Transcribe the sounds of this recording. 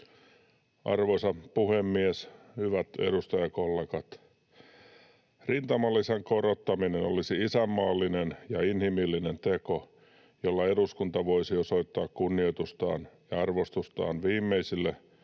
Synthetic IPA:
ʔɑ̰rʋosɑpuhemːies | hyʋæt̪ḛɾust̪ɑjɑkolːekɑt̪ | rint̪ɑmɑlːiseŋkoɾot̪ːɑminenolisiisæmːɑːlːinenjɑinhimilːinent̪eko | jolːɑe̞duskunt̪ɑʋo̞isiosoit̪ːɑːkkunːiot̪ust̪ɑ̰ːnjɑɑrʋost̪ust̪ɑ̰ːnʋiːmːeisilːe

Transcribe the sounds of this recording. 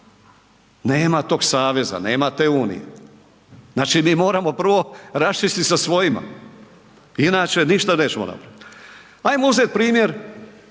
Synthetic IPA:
neːmat̪o̞ːɡsaːʋe̞za̰ne̞ːmat̪e̞uːnḭjḛ | znaːt͡ʃimiːmo̞ːɾamo̞pr̩ʋo̞ɾast͡ʃist̪isasʋo̞jima̰ | inaːt͡ʃe̞niʃt̪ane̞ːt͡ɕemona̰pɾaʋit̪ | ajmouzet̪̚pɾiːmjeɾ

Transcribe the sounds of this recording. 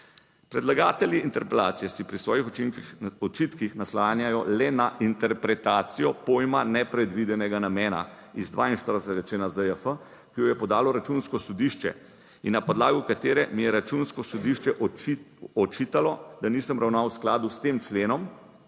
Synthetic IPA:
pɾɛd̪laɡaːt̪ɛljiːnt̪ɛɾpɛla̰ːt̪sijɛsipɾisʋɔːjix | ɔt͡ʃit̪kixnaslanjajɔlɛnaʔint̪ɛɾpɾɛt̪aːt̪sijɔpojmanɛpɾɛd̪ʋid̪ɛnɛɡanamɛːna̰ | izd̪ʋa̰ːinʃt̪əɾd̪əsɛt̪ɡat͡ʃenazəjəfə | kijɔjɛpɔd̪aːlɔɾat͡ʃunskɔsɔd̪iʃt͡ʃɛ̰ | inːapɔd̪laːɡukat̪eːɾɛmijɛɾat͡ʃunskɔsɔd̪iʃt͡ʃɛʔ | ɔt͡ʃit̪alɔd̪aniːsəmɾʔawnawsklaːd̪ust̪eːmt͡ʃleːnɔm

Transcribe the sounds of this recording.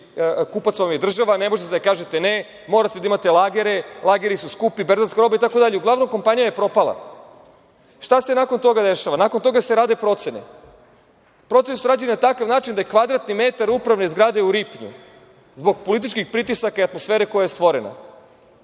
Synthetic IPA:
kupat̪somjed̪r̩ʒaʋane̞mo̞ʒet̪ed̪akaːʒe̞t̪ene | mo̞ɾat̪ed̪aimat̪e̞lˠaːɡeɾelˠaːɡeɾisuskupibeɾzanskaɾo̞bait̪ako̞d̪aʎeuɡlˠaʋno̞mko̞mpanijajepɾo̞palˠa̰ | ʃt̪ase̞nakont̪o̞ɡad̪eʃaʋanakont̪o̞ɡaseɾaːd̪epɾo̞t̪senḛ | pɾot̪senesuɾaːd͡ʑejenat̪akaʋnaːt͡ʃind̪aje̞kʋad̪ɾat̪nime̞t̪aɾupɾaʋnezɡɾaːd̪e̞uɾipɲṵ | zbo̞ɡpo̞lit̪̬it͡ʃkixpɾit̪isakaiat̪mo̞sfeːɾekojajest̪ʋo̞ɾena̰

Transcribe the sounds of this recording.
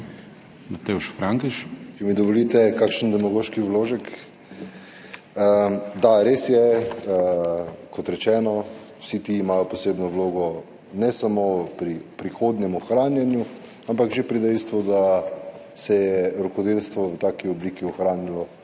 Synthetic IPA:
nat̪euʃfɾaŋkɛʃt͡ʃɛmid̪ɔʋɔlit̪ɛkakʃənd̪ɛmaɡoːʃkiwloːʒək | əd̪aɾesjɛəkʰɔt̪ɾɛt͡ʃɛːnɔ | wsit̪iːmaːjɔpɔseːbnɔwloːɡɔ | nɛsamopɾipɾixod̪nɛmɔxɾaːnjanju | ampakʒepɾid̪ɛjst̪ʋud̪a | sɛjɛɾɔkɔd̪elst̪ʋɔʋət̪aːkiɔbliːkiɔxɾaːnilɔ

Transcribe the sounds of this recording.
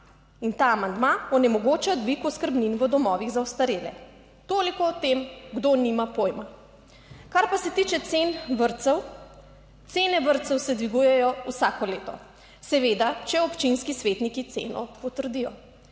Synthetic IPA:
int̪aːmand̪maɔnɛmɔɡoːt͡ʃad̪ʋikuskəɾbninʋəd̪ɔmɔːʋiɣzaɔst̪aɾelɛ̰ | t̪oːlikɔːt̪emɡd̪onimapojma | kaɾpasɛt̪it͡ʃɛt̪senʋəɾt̪sɛw | t̪seːnɛʋəɾt̪sɛwsɛd̪ʋiɡujɛjɔusaːkɔleːt̪ɔ̰ | sɛʋed̪at͡ʃɛɔpt͡ʃinskisʋet̪nikit̪sḛːnɔ̰pɔt̪əɾd̪ijɔ̰

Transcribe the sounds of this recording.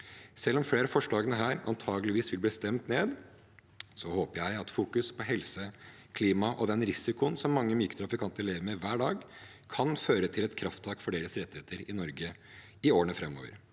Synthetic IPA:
sɛlːɔmfleːɾəfɔʂɭɑːɡənəɦæːɾɑ̰nt̪ʰɑːɡəlɪʋiːsʋɪlbliːst̪ɛmt̪neːd̪ | sɔhoːpəjæɪɑt̪fuːkʉspʰɔɦɛlsə | kʰliːmɑʔɔd̪ɛnɾɪsɪkʊnsɔmːɑŋːəmyːkət̪ɾɑfɪkʰɑnt̪əɛleːʋəɾmɛʋæːɖɑːɡ | kʰɑnføːɾət̪ʰɪlɛt̪kʰɾɑft̪ʰɑːkfɔɖeːɾəsɾɛt̪ːɪheːt̪əɾɪnɔɾɡə | ɪoːɳəfɾɛmːo̰ːʋə̰ɾ

